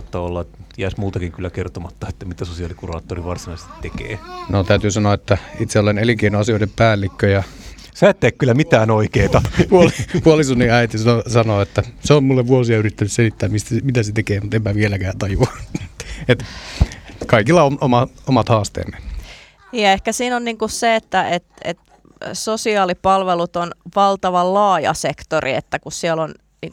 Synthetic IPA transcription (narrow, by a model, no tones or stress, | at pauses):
t̪ːɑolːɑet̪t̪iæsmult̪ɑkiŋkylːækert̪omɑt̪ːɑet̪ːæmit̪æsosiɑlikurɑ̰ːt̪ːoriʋɑrsinɑise̥t̪i̥t̪t̪ekḛːnot̪æyt̪yːsɑnoɑet̪ːæit̪seoleneliŋkeinoɑsioˑiɾeppæːlːikːøjɑ | sæːt̪ːeːkkylːæmit̪æːnoikeːt̪ɑpuolipuolisunːiæit̪isosɑnoːet̪ːæseommulːeʋʋuosiɑyrit̪ːænysselit̪ːæːmmist̪æmit̪æset̪ekeːmut̪emːæʋielækæːt̪ɑjuɑ | et̪ | kɑikilːɑomomɑomɑt̪hɑːst̪ḛːmen | niːjɑehkæsiːnonniːŋkusseet̪ːæet̪ḛt̪ | sosiɑːlipɑlʋelut̪onʋɑlt̪ɑʋɑllɑːjɑ̰sekt̪orʔḭḛt̪ːækussiɛlon | ni